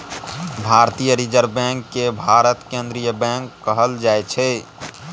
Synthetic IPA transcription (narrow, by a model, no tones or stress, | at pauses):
bʱaɾt̪ijəɾid͡ʒəɾbɛ̃ŋkːebʱaɾət̪kend̪ɾijəbɛ̃ŋkːəɦəld͡ʒaet͡ʃʰɛ